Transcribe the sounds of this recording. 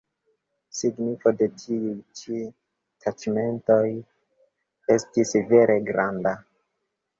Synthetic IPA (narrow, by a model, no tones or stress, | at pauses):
siɡnifo̞de̞tʰiujt͡ʃi | tʰat͡ʃme̞nto̞j | e̞stisve̞ɾʔe̞ɡɾanda